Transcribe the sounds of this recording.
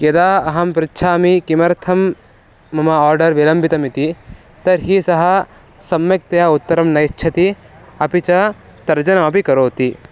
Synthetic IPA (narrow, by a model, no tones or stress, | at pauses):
kjɐd̪aːɐɦɐmpɾɪt̪ːʃʰaːmikimɐɾt̪ʰɐmː | ɐmɐaːɾɖɐɾʋilɐmbʱit̪ɐmit̪i | t̪ɐɾɦisɐɦɐ̆ | sɐmjɐk̚t̪ɐjaːut̪ːɐɾɐmnɐjtːt͡ʃʰɐt̪i | ɐpit͡ʃɐ | t̪ɐɾd͡ʒɐnɐmɐpikɐɾoːt̪i